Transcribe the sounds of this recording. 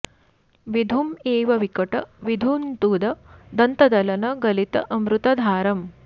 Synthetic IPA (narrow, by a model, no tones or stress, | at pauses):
ʋid̪ʱumeːʋɐʋikɐʈɐʋid̪ʱunt̪uːd̪ɐd̪ɐnt̪ɐd̪ɐlɐnɐɡɐlit̪ɐʔɐmɾut̪ɐd̪ʱaːɾɐm